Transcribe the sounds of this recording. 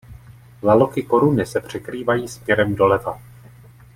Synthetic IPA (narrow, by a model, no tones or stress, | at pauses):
lalo̞kɪko̞ɾunɪsɛpr̝̥ɛkɾiːvajiːspjɛɾɛmdo̞lɛva